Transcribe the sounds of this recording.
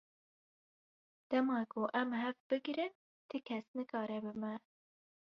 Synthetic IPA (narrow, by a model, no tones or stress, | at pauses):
d̪̥ɛmɑːkʰoʔɛmɦɛvbɨɡɾɨn | t̪ʰɨkʰɛsnɨkɑːɾɛbɨmɛ